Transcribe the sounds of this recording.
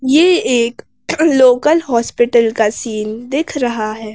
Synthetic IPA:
jeeːk | loːkəlɦɔːspɪʈəlkasiːnd̪eːkʰɾɐɦaɦɛː

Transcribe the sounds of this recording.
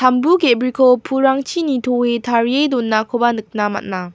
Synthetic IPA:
tambukebɾikʰopʰuɾaŋt͡ɕʰinitʰoetʰaɾiedonːakʰobanɯk̚nama̰t̚na

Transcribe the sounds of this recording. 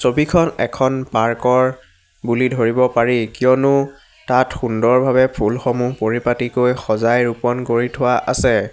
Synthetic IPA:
sobikʰɔnɛ̰kʰɔnpaɹkɔɹ | bulidʱoɹibɔpaɹikijɔnʊ | tatxundɔɹbʱabɛpʰulxɔmupoɹipatikojxɔzajɹupɔnkoɹitʰʊwaʔa̰sɛ

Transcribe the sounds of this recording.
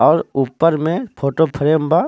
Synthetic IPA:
ɔːɾuːpːəɾmẽpʰoːʈopʰəɾeːmba

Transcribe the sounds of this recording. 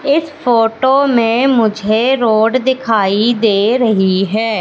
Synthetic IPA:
ɪsfoːʈomẽmʊd͡ʒʱeɾoːɖd̪ɪkʰaːid̪eːɾɐɦiɦɛː

